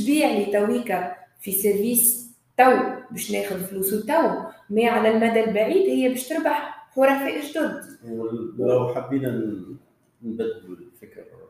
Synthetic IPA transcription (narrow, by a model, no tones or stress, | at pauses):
biːʕlit̪æwiːkafisɪɾviːs | t̪æwbeːʃneːxʊðfluːswt̪ːæwmɛːʕalælmæd̪ælbaʕiːd̪hɪjːæbeːʃt̪ɪɾbaħxʊɾˤɑfeʔɪʒd̪ʊɾd̪wlawħabːiːnan | nbad̪ːulfɪkɾa